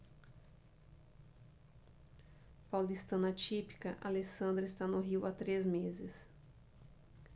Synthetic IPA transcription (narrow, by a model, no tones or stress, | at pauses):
pawlist̪ɐ̃nɐt͡ʃipi̥kɐʔalesɐ̃nd̪ɾɐɪst̪anʊɦiwat̪ɾezmezɪs